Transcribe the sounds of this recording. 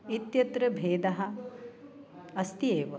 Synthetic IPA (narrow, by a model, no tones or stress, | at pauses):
it̪jɐt̪ɾɐbʱeːd̪ɐɦɐ̆ | ɐst̪ieːʋɐ